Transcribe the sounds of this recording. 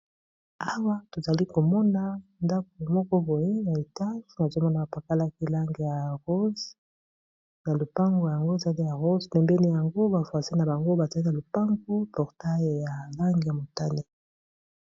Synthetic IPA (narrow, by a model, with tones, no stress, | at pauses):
a˦wa˦to˨za˨li˦ko˨mɔ˦na˦nda˦k̚o˨mɔ˦kɔ˦bo˨je˦na˨e˨ta˦ʒi˦na˨zo˦mɔ˦na˨ba˨pa˨ka˦la˦ki˦la˦ŋɡe˨ja˨ʁo˦z | na˨lo˨pa˦ŋɡo˨ja˨ŋɡo˦e˨za˨li˦ja˨ʁo˦zpɛ˨mbɛ˦ni˦ja˨ŋɡo˦ba˨fwa˨si˦na˨ba˨ŋɡo˦ba˨za˨li˦na˨lo˨pa˦ŋɡo˦pɔ˨ʁta˦jja˨la˦ŋɡe˨ja˨mo˨ta˦ne˦